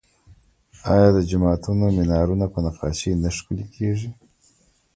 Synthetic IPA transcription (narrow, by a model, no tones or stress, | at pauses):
ɑjɑd̪əd͡ʒamɑt̪unomɪnɑɾunapənaqɑʃinaʃkulikʰeʐi